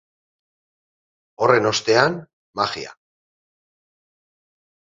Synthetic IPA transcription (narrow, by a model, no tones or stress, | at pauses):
o̞re̞no̞st̪e̞an | maxḭa̰